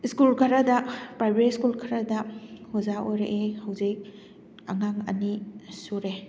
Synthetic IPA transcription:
skulkʰɐɾɐdɐpɾajbɾetskulkʰɐɾɐdɐhuzaojɾeʔehɐwzik̚ | ɐ̰ŋaŋɐ̰nisuɾe

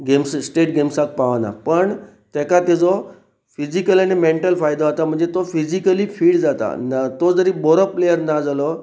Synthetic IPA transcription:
ɡemssʈeʈɡemsak̚paʋna̰pəɳ | t̪jɛkat̪ɛd͡zɔ | fid͡ʑikəlañimeɳʈəlfajd̪aɦot̪am̤əɳd͡zet̪ofid͡ʑikəliːfiːɽd͡zat̪a̰nt̪od͡zəɾibɔɾəpːlejəɾnad͡zalɔ

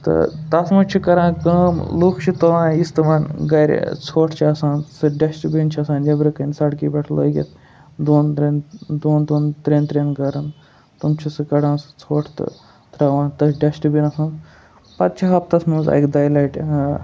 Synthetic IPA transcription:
t̪ɨ̰t̪ɐsmɐt͡ʃʰikɐɾãːkɐmluːkʰt͡ʃʰit̪ɐʋãːist̪ɨmɐːnɡɐɾ̰ʲt͡sʰoːʈʰt͡ʃʰiɐsãːnsɨɖɐsʈibint͡ʃʰiɐsaːnd͡ʒɐbɾɐkɐnsɐɽkiːbɐʈʰlo̰ːjɡʲḛt̪ | d̪oːnɾend̪oːnd̪oːnt̪ɾeːnt̪ɾeːnkɐɾɐn | t̪umt͡ʃʰisɨkɐɽãːnsɨ̥t͡sʰoːʈʰt̪ɨ̰ | t̪ɾɐʋãːnt̪ɐɖɐsʈbinɐsãːn | pɐt̪̚t͡ʃʰiɦɐp̚t̪ɐsmɐnzɐ̰jkd̪aːjlɐjʈ

